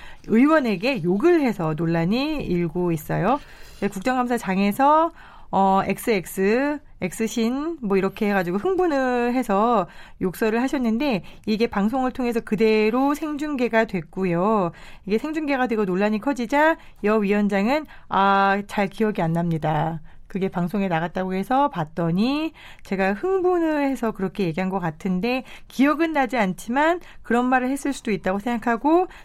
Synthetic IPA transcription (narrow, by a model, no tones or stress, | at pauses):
ɯiwʌne̞ɡe̞joɡɯɭhe̞sʰʌnoɭːaɲiiɭɡois͈ʌ̰jo | esʰkuk̚t͡ɕ͈ʌŋɡamsʰat͡ɕaŋe̞sʰʌ | ʌe̞̰k̚s͈ɯe̞k̚s͈ɯ | e̞k̚s͈ɯɕʰinmwʌiɾʌkʰe̞ɦeɡad͡ʑiɡoɸɯŋbunɯɭɦe̞sʰʌjok̚s͈ʌɾɯɭɦaɕʰʌnːɯnde̞iɡe̞paŋs̬ʰoŋɯɭtʰoŋe̞s̬ʰʌkɯde̞ɾosʰe̞ŋd͡ʑuŋɡe̞ɡadwe̞k͈ujoiɡe̞sʰe̞ŋd͡ʑuŋɡe̞ɡadwe̞ɡonoɭːaɲikʰʌd͡ʑid͡ʑa | jʌɥiwʌnd͡ʑaŋɯn | at͡ɕaɭkijʌɡianːamɲidakɯɡe̞paŋsʰoŋe̞naɣat̚t͈aɡohe̞sʰʌpat̚t͈ʌɲi | t͡ɕe̞ɡahɯŋbunɯɭhe̞sʰʌkɯɾʌkʰe̞je̞ɡiɦanɡʌk͈atʰɯnde̞kiʌɡɯnːad͡ʑiant͡ɕʰimankɯɾʌnmaɾɯɭhe̞s͈ɯɭs͈udoit̚t͈aɡosʰe̞ŋɡakʰaɡo